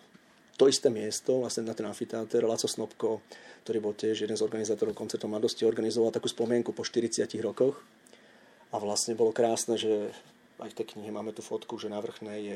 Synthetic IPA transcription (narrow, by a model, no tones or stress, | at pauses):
t̪ɔist̪ɛːmɪɛst̪ɔʋlasɲɛnat̪ɛnafit̪aːt̪ɛɾlat͡sɔsnɔpkɔk̚t̪ɔɾiːbɔlcjɛʒjɛd̪ɛnzɔɾɡanizaːt̪ɔɾɔʊkɔnt͡sɛɾt̪ɔʊmlad̪ɔsciɔɾɡanizɔʋalˠt̪akuːspɔmɪɛŋkupɔʃt̪iɾit͡sɪaciɣɾɔkɔx | aʋlasɲɛbɔlɔkɾaːsnɛːʒɛ | ʔa̰jft̪ɛjkɲiɦɛmaːmɛt̪uːfɔt̪kuʒɛnaʋr̩xnɛjɛ